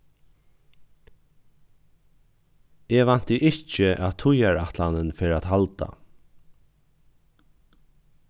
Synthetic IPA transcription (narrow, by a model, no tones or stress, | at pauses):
eʋan̥t̪əʔɪt͡ʃɪʔaːt̪ʰʊjaɹat̪lanɪnfeɾaːt̪halt̪a̰